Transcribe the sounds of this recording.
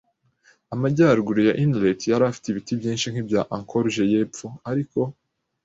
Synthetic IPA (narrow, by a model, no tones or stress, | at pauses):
amaɟaːɾɡuɾojaʔindletjaɾaːfi̥teiβitibjĩːnʃiŋ̥hibjaʔaŋkʰoɾʒejeːpp͡foaɾiko̞